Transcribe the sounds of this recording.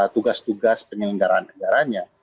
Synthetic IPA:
t̪uɡast̪uɡaspəŋəɡaɾanːəɡaɾaɲa

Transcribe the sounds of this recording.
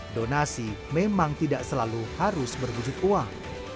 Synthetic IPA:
donasimemaŋt̪idaʔsəlaluhaɾʊsbərwud͡ʒut̪̚uaŋ

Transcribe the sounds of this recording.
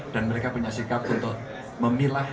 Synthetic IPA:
d̥a̤nməɾekapuɲasikap̚unt̪ʊʔ | məmila

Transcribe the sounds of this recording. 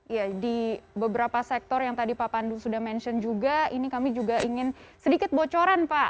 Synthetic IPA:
jadibəbəɾapasɛk̚t̪ɔrjaŋt̪adipapandusudahmɛnʃɔnd͡ʒuɡainikamid͡ʒuɡaʔiŋɪnsədikɪt̪̚bot͡ʃoɾanpa

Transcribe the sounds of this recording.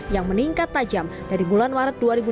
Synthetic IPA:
jaŋməniŋkat̪ːad͡ʒamdaɾibulanmaɾət̪̚duaɾibu

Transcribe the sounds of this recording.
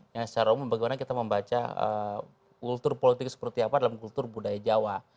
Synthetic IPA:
jaŋt͡ʃaɾaumubaɡemanakit̪aməmbat͡ʃa̰ə̰ | kult̪ʊrpolit̪ɪksə̥pərt̪iapadalamkult̪ʊrbudajad͡ʒawa

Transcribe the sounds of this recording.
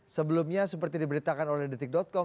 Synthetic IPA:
səbəlumɲasəpərt̪idibəɾit̪akanolɛhdit̪ɪk̚dɔt̪̚kɔ

